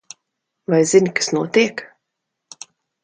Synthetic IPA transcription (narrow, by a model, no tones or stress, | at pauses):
vajzinʲkḁsnuɔt̪iɛk